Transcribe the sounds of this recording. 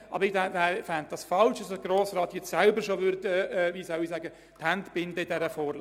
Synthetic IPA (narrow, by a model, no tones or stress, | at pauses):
ʔɑ̰bəɾɪdævæːɾfænd̚d̥ɑsfɑlʃɑsəɡ̥ɾoːsɾɑːt̪jɛt͡ssælbəɾʃoʋʏɾd̪əɛviːsœʊisæɡə | thæntb̥ɪnd̪əɪdɛɾəfɔːɾl